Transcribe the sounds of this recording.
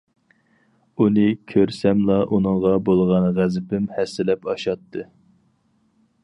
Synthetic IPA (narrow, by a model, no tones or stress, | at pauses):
unɨkʲʰøɾsɛmlˠɑʔunɨŋʁɑbolˠʁɑnʁæzɪpɪmhɛsːɪlɛpɑʃɑt̪ʰːɨ